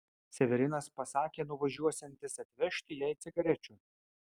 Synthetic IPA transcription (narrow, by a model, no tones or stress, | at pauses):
sʲɛʋʲɛɾʲɪnɐspɐsɑːkʲeːnʊʋɐʒʲuɔsʲɛnʲt̪ʲɪsɐt̪ʲʋʲɛʃʲt̪ʲɪjɛɪt̪sʲɪɡɐɾʲɛt͡ʃʲʊ